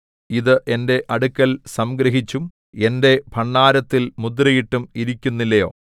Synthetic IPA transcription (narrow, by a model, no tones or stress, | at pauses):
iðɨʔe̞nde̞ʔɐɽukːɐlsɐmɡɾɐɦit͡ɕːum | e̞nde̞bʱɐɳːaːɾɐt̪ːilmud̪rɐjiʈːumiɾikʲːunːilːɐjo̞ː